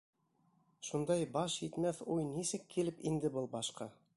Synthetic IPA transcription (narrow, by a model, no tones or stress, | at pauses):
ʃund̪ɑjbɑʃjit̪mæθujnisɘkːilɘpind̪ɘbɤlˠbɑʃqɑ